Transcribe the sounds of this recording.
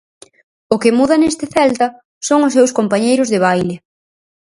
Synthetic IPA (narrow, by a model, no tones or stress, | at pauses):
ʊkɪmuðɐnest̪ɪθɛlt̪ɐ | soŋʊsːewskompaɲejɾʊzðɪβ̞ajlɪ